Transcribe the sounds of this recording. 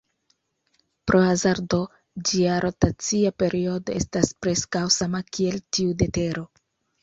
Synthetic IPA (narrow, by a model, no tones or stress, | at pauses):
pɾʔo̞azaɾdo̞ | d͡ʒiaɾʔo̞tat͡siape̞ɾʔio̞do̞e̞staspɾe̞skawsamakie̞ltiude̞te̞ɾo̞